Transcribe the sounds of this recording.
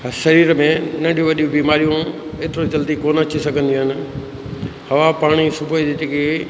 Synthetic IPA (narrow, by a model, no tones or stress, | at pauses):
ʃɐɾiːɾmẽnɐ̃ɳɖʱijũʋɐɗiũbiːmaːɾijũ | eːt̪ɪɾod͡ʑɐld̪ikoːnat͡ɕʰisɐɡʱə̃nd̪ĩɦɪnɪ̆ | hɐʋapaːɽ̃isʊbʱəiɪt̪ike